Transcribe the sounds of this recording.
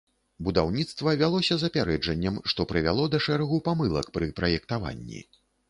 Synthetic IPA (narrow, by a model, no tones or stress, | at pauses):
bud̪awnʲit̪st̪vɐvʲalˠɔsʲɐzɐpʲaɾɛd͡ʐɐnʲːɐmʂt̪ɔpɾɨvʲalˠɔd̪ɐʂɛɾɐɣupamɨlˠɐ̰kpɾɨpɾɐjɛkt̪ava̰nʲːḭ